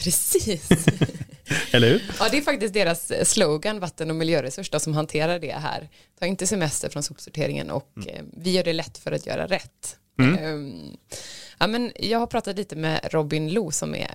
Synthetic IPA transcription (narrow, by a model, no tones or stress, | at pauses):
pʰɾɛsiːs | ɛlːəhʉɾɑːd̪ɛæɾfakt̪ɪst̪̚d̪eːɾasːləʊɡanvat̪ːənɔmɪljøːɾɛsɵʂdɔsɔmɦant̪ʰeːɾaɖɛ̰ɦæ̰ːɾ | t̪ʰɑːɾɪnt̪əsɛmɛst̪ə̰ɾfɾɔnsuːpsʊʈʰḛːɾɪŋə̰nɔ̰kvɪjœːɖɛlɛt̪ːfœɾat̪ʰjœ̰ːɾa̰ɾɛt̪ː | ʔaːmɛnjɑːɡhaɾpʰɾɑːt̪at̪liːt̪əmɛ̰ɾɔbɪnluːsɔmɛ̰